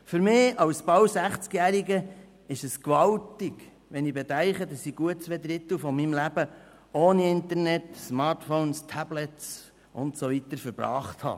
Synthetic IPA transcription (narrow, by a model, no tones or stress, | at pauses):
fʏɾmɪːɑwsbɑwsæχt͡skjæːɾiɡə | ɪʃəskʋɑltɪɡ | ʋɛnibɛtæɪχədɑsiɡ̥uət̚t͡sʋɛd̪ɾɪt̪əl̩wfɔmimlæb̥ə | oːniɪnt̪əɾnɛtsmɑːɾtfɔʊnst̪ʰæblɛts | ʔʊ̰ntsɔvit̪əɾfəɾb̥ɾɑ̰ːχt̪hɑ̰ː